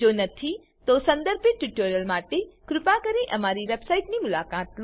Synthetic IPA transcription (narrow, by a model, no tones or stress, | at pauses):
oːnɐt̪ʰi | t̪osɐ̃nd̪əɾbeʈuʈoːɾjəlmaːʈekɾʊpakɐɾẽʔɐmaːɾiʋeːbsaːiʈniːmʊlaːkaːt̪l